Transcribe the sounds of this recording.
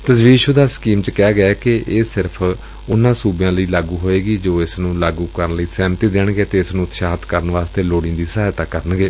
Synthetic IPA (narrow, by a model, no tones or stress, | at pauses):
t̪əsʋiːʃod̪aːskiːmt͡ʃkɛːɡəɛːkɪʔeːsɪɾpʰ | ʊnːãːsuːbjãːləiːlaːɡuːɦoːeːɡiːd͡ʒoːɪsnũːlaːɡũːkəɾənləiːsɛːmt̪iːd̪eːɳɡeːt̪eːɪsnũːt̪ʃaːt̪kəɾənʋaːst̪eːloːɽĩːd̪iːsaːjt̪aːkəɾəɳɡeː